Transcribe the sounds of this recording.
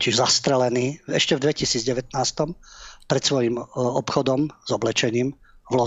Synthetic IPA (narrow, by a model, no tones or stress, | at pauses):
ciʒzast̪ɾɛlɛniːɛʃcɛvd̪ʋɛcisiːd͡zɟɛʋɛt̪naːst̪ɔmpɾɛt̪sʋɔjimɔpxɔd̪ɔmz̥ɔblɛt͡ʃɛɲiːm | vlɔ